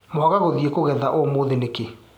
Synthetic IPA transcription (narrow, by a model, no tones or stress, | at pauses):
mɔɣaɣoðiekoɣɛðaʔomoːðeneke